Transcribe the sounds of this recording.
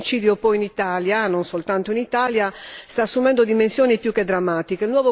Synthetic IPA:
it͡ʃiːd̪jopɔjinit̪aːljanonsolt̪ant̪oinit̪aːljast̪aːsːumɛnd̪od̪imensjoːnipjukːed̪ːɾamːaːt̪ikeilnwɔːvo

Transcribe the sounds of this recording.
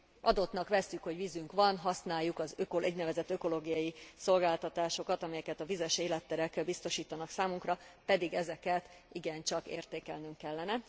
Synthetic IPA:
ʔɒd̪o̞t̪nɒkʋɛsːykho̞ɟʋizyŋkʋɒnɦɒsnaːjːukɒzøkoʔɛɟnɛvɛzɛt̪ːøko̞loːɡijɒjiso̞lɡaːlt̪ɒt̪aːʃo̞kɒt̪ɒmɛjɛkɛt̪ɒvizɛʃeːlɛt̪ːɛɾɛkbist̪o̞ʃiːt̪ɒnɒksaːmuŋkrɒpɛd̪iɡɛzɛkɛt̪ | iɡɛnt͡ʃɒkḛːrt̪eːkɛlnyŋkːɛlːɛnɛ

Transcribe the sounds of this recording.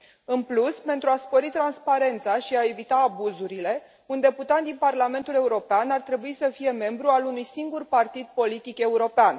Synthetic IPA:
ɨnpluspe̞nt̪ɾuaspo̞ɾit̪ɾanspaɾe̞nt̪saʃiae̞vit̪aːbuzuɾile̞ | und̪e̞put̪at̪̚d̪inparlame̞nt̪ule̞uɾo̞peanart̪ɾe̞buisəfije̞me̞mbɾualunujsiŋɡurpart̪id̪̚po̞lit̪ike̞uɾo̞pean

